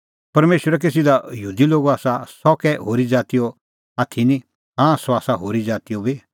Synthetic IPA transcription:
pɐɾmeːʃwəɾɛk̬es̬ɪd̪ajuːd̪iloːɡoaːsasɔkɛɦoːɾid͡ʒaːt̪ijɔ | aːt̪ʰinĩ | ɦãsɔaːsaɦoːɾid͡ʒaːt̪ijobi

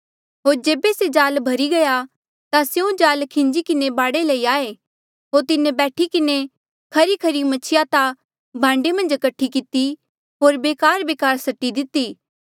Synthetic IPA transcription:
ɦoːɾd͡ʒeːbesed͡ʒaːlbʱɐɾiɡɐja | t̪asjũd͡ʒaːlkʰɪ̃ɲd͡ʒikɪnebaːɽelɐiaːe | ɦoːɾt̪ɪnebɛːʈʰikɪne | kʰɐɾikʰɐɾimɐt͡ʃʰɪjat̪a | bʱãːɳɖemɐ̃nd͡ʒɐkɐʈʰːikɪt̪i | ɦoːɾbeːkaːɾbeːkaːɾsɐʈːid̪ɪt̪ːiː

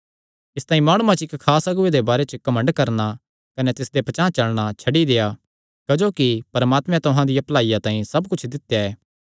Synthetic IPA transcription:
ɪst̪ãːĩmaːɽ̃uːãt͡ʃɪkkʰːaːsɐɡʊed̪ebaːɾet͡ʃəkɐmə̃ɳɖkɐɾna | kɐnet̪ɪsd̪epɐt͡ʃãːt͡ʃɐlɽ̃at͡ʃʰɐɖid̪eːja | kɐd͡ʒoːkipɐɾəmaːt̪mɛ̃t̪ʊɦãd̪ɪjaplaːijat̪ãːĩsɐbkʊt͡ʃʰd̪ɪt̪jaɛː

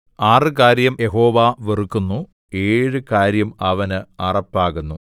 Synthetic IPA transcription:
aːrɨkaːɾjɐmjeɦo̞ːʋaːʋirukːunːu | e̞ːɻɨkaːɾjɐmɐʋɐnɨɐrɐpːaːɣunːu

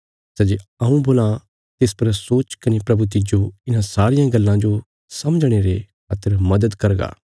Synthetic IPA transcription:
sɛd͡ʒeɐ̃ũboːla | t̪espɐɾsoːt͡ʃkɐnepɾɐbut̪̬ɪd͡ʒoɪnãsaːɾɪjãɡɐlːãd͡ʒo | sɐməd͡ʒɽ̃eɾekʰɐt̪ʰːəɾmɐd̪əd̪kɐɾɡa̰ː

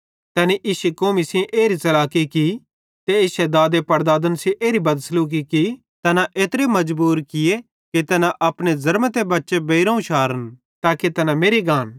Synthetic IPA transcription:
t̪ɛːniʔiːsekoːmisĩʔeːɾit͡ʃɐlaːkiki | t̪eeːsɛd̪aːd̪epɐɾd̪aːd̪ənsĩʔeːɾibɐd̪sluːk̬iki | t̪ɐnãʔeːt̪ɾemɐd͡ʒbuːɾkɪje | kit̪ɐnãʔɐpnezɐɾmət̪ebɐtːʃebeiɾãːũʃaːɾən | t̪aːket̪ɐnameːɾiɡaːn

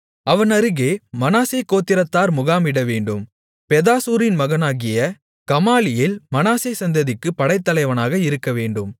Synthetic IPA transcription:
ɐʋɐnɐɾɯɣeːmɐnaːsekːoːt̪ːɪɾɐt̪ːaːɾmʊɣaːmɪɽɐʋeːɳɖɯm | pɛðaːsuːɾɪnmɐɣɐnaːɣɪjɐ | kɐmaːlɪjɪlmɐnaːsesɐnd̪ɐðɪkːɯpːɐɽɐɪt̪ːɐlɐɪʋɐnaːɣɐɪɾɯkːɐʋeːɳɖɯm

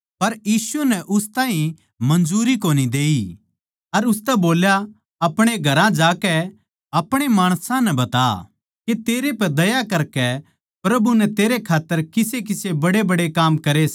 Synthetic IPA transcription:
pɐɾjiːsunɛʔʊst̪ãːɦĩ | mɐ̃nd͡ʒuːɾikoːnid̪eːi | ɐɾʊst̪ɛboːlja | ɐpɽ̃eɡʱɐɾãd͡ʒaːkɛ | ɐpɽ̃emaːɽ̃sãnɛbɐt̪a̰ | ket̪eːɾepɛd̪ɐjakɐɾkɛ | pɾɐbunɛt̪eːɾekʰaːt̪ːəɾkɪsek̬ɪsebɐɽebɐɽekaːmkɐɾes

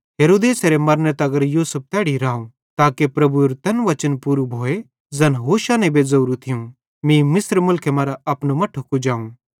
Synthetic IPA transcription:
ɦeːɾoːd̪eːseɾemɐɾnət̪ɐɡəɾjuːsəp̚t̪ɛːɽiɾaːũ | t̪aːkepɾɐbuɾt̪ɐnʋɐt͡ʃənpuːɾubʱoːe | zɐnɦoːʃanẽbezɐuːɾut̪ʰɪũ | mĩmɪsɾmʊlkʰemɐːɾaɐpnumɐ̃ʈʰʊkud͡ʒaːũ

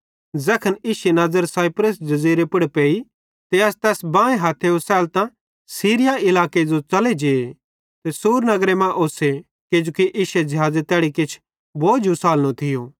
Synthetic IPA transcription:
zɛkʰəniːʃenɐzəɾsaːipɾəsd͡ʒɐziːɾepɪɽpeːi | t̪eɐst̪ɛːsbãːẽɦaːt̪ʰːeosɛːlt̪ã | siːɾɪjaɪlaːked͡ʒot͡ʃɐled͡ʒeːe | t̪esuːɾnɐɡɾemãʔoːse | kɪd͡ʒoːkiʔiːʃed͡ʒɐɦaːzet̪ɛːɽikɪt͡ʃʰ | boːd͡ʒusaːlnõt̪ʰɪjoː

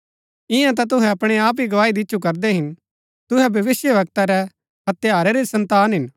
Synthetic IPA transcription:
ɪ̃jãt̪̬at̪̬ʊɦɛɐpɽ̃eaːp̬iɡɐʋaːid̪ɪtːʃʰukɐɾd̪ɛɦɪn | t̪ʊɦɛbʱɐʋɪsjəʋɐk̚t̪aɾɛ | ɦɐt̪jaːɾɛɾesɐ̃nt̪aːnɦɪn

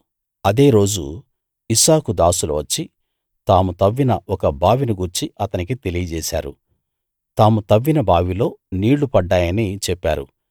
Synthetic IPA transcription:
ɐd̪e̞ːɾo̞ːd͡ʒu | isaːkud̪aːsulɐ̰ʋɐt͡ʃːi | t̪aːmut̪ɐʋːinɐɔkɐbaːʋiniɡuɾt͡ʃiɐt̪ɐnik̬it̪elijɐd͡ʒɛːsa̰ːɾṵ | t̪aːmut̪ɐʋːinɐbaːʋilo̞ːniːɽːupɐɖːaːjɐnit͡ʃɛpːa̰ːɾṵ

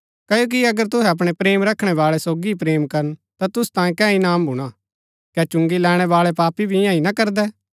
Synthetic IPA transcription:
kɐjoːk̬iɐɡəɾt̪̬ʊɦɛɐp̬ɽ̃ɛpɾeːmɾɐkʰɽ̃ɛʋaːɭɛsoːɡiipɾeːmkɐɾənt̪at̪ʊst̪ãːjẽkɛ̃ːĩnaːmbʱʊɽ̃a | kɛːt͡ʃʊ̃ŋɡilɛːɽ̃ɛʋaːɭɛpaːpibʱiɪjãĩnɐkɐɾd̪ɛː

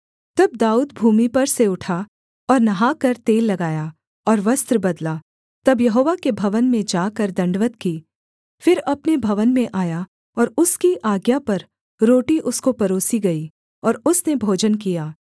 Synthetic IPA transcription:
t̪ɐb̚d̪aːuːd̪bʱuːmipɐɾseʊʈʰa | ɔːɾnɐɦaːkɐɾt̪eːlːɐɡaːja | ɔːɾʋɐst̪ɾəbɐd̪laː | t̪ɐbjɐɦoːʋakebʱɐʋənmẽd͡ʒaːkɐɾd̪ɐ̃ɳɖʋət̪kiː | fɪɾɐpnebʱɐʋənmẽʔaːja | ɔːɾʊskiʔaːɡjapɐɾ | ɾoːʈiʔʊskopɐɾoːsiɡɐiː | ɔːɾʊsnebʱoːd͡ʒənkijaː

